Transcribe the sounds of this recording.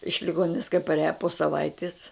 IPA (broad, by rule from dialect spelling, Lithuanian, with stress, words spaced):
ɪʃ lʲɪˈɡoːnʲɪnʲɪs kɐɪ pɐrʲˈæːjɛ poː sɐˈʋɐɪtʲɪs